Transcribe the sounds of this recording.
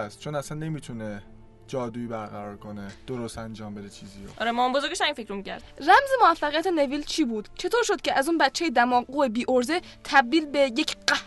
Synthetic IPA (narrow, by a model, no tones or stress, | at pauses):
st̪̚t͡ʃʰonæsænːe̞mit̪ʰune | d͡ʒɒːd̪uibæɾɣæɾɒːɾkʰoned̪̥oɾost̪ænd͡ʒɒːmbed̪et͡ʃʰiːzioʔɒɾemɔːmbozoɾɡʲeʃæminfecʰɾomicʰæ̰ɾd̪ræmzemoæfːæʁijæt̪ʰene̞viːlt͡ʃʰiːbuːd̪̥t͡ʃʰe̞t̪oːɾʃod̪̥̚cʰe̞ʔæzuːnbæt̪t͡ʃʰːejed̪æmɒːɡuebiːʔoɾze̞ | t̪ʰæb̚d̪iːlbejecʰɢæ